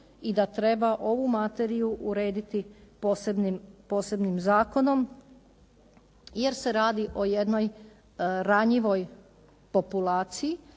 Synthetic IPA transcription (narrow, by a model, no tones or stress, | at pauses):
id̪at̪ɾe̞baʔo̞ʋumat̪e̞ɾijuʔuɾe̞ːd̪it̪iposebnimpoːse̞bnimzaːko̞no̞m | je̞ɾse̞ɾaːd̪iʔo̞jed̪no̞j | ɾaɲiʋo̞j | po̞pulˠaːt̪siji